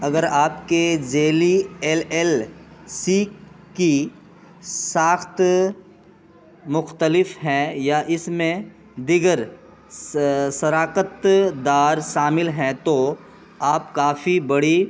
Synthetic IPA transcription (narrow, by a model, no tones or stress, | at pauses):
ɐɡəɾaːpked͡ʒeːlieːleːlsiki | saːxt̪ | mʊxt̪əlɪfɦɛ̃jaʔɪsmẽ | d̪ɪɡəɾ | sɐɾaːqət̪d̪aːɾʃaːmɪlɦɛ̃t̪o | aːpkaːfibɐɽi